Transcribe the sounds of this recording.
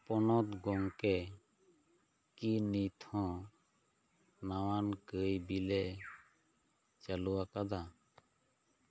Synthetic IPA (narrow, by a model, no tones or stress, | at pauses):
pɔnɔt̪ɡɔŋkɛ | kinit̪ʰɔ̃ | nawankəjbilɛʔ | t͡ʃaluwakad̪a